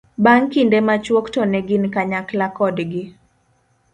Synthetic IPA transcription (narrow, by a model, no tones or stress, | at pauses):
baŋkindɛmat͡ʃwɔktɔnɛɡɪnkaɲaklakɔdɡɪ